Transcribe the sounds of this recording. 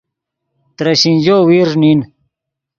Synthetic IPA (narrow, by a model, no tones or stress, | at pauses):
t̪ɾɐɕind͡ʑoːwiɾnin